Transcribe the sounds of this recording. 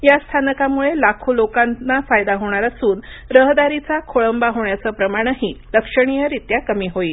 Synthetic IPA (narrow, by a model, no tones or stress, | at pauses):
jast̪ʰanəkamuɭelakʰolokannːafajd̪aɦoɳ̃aɾasuːn | ɾəɦd̪aɾit͡sakʰoɭəmbaɦoɳjat͡səːpɾəmaɽ̃əɦiːləkʂəɽ̃ijəɾit̪jakəmiːɦoiː